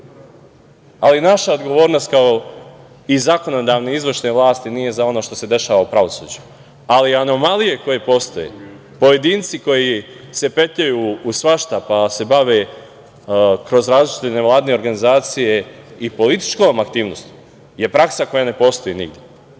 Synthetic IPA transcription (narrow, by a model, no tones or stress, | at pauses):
alinaʃaod̪ɡo̞ʋo̞ːɾno̞st̪̚kao | izako̞no̞d̪aʋneizʋərʃneʋlˠaːst̪inije̞zao̞no̞ʃt̪o̞se̞d̪e̞ʃaːʋaupɾaʋo̞suːd͡ʒu | aliano̞malijeko̞je̞po̞ːst̪o̞jḛ | poje̞d̪iːnt̪siko̞jise̞pe̞t̪ʎajuːsʋaʃt̪apase̞baʋe̞ | kɾo̞zɾaːzlit͡ʃi̥t̪ene̞ʋlˠaːd̪ine̞o̞ɾɡanizaːt̪sije̞ | ipo̞lit̪i̥t͡ʃkomakt̪iːʋno̞st̪u̥ | je̞pɾaksako̞jane̞po̞ːst̪o̞jenḭɡd̪ʲje